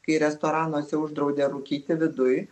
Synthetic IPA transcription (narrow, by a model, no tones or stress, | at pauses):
kɐɪɾʲɛst̪oːɾɑːnoːsʲɛʊʒd̪ɾɒʊd̪ʲeːɾukʲiːt̪ʲɪʋʲɪd̪ʊj